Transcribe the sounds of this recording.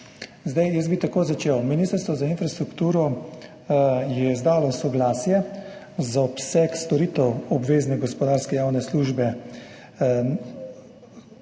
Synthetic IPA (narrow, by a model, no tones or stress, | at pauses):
zd̪ajjəsbit̪akoːzat͡ʃeːwminist̪əɾst̪ʋɔzainfɾast̪ɾukt̪uːɾɔ | jɛzd̪aːlɔsɔɡlaːsjɛ | zaɔpsɛkst̪ɔɾiːt̪ɛwɔbʋeːznɛɡɔspɔd̪aːɾskɛjaːwnɛsluːʒbɛ